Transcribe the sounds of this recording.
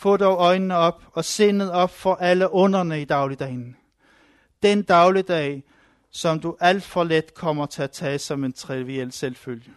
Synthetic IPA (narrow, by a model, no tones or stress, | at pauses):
fɔ̰̽ːdɒʊɒ̽ɪnnəɒ̽b̥ɒ̽se̝̰ːneð̩ˠɒ̽b̥fɒ̽ʔæləʔɔ̽nɐnəid̥ɑ̈ʊlid̥ɛ̰ːn | d̥end̥ɑ̈ʊlid̥ɛː | sɒ̽md̥uʔæl̰d̥fɒ̽led̥kʰɒ̽m̰ɐt͡sʰe̝æt͡sʰɛːsɒ̽me̝nt͡sʰʁiʋiel̰selføljə